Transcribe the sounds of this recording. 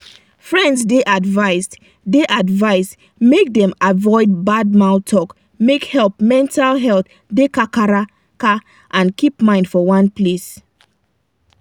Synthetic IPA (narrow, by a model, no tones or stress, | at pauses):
fɹɛ̃ndsdeʔadvaɪs | deʔadvaɪs | mek̚dɛ̃mavɔɪd̚bad̚maʊtʰːɔk | mekhɛlˠpmɛ̃ntʰalɦɛlt | dekakaɾa | ka | ʔãnkipmãɪ̃ndfɔwãnples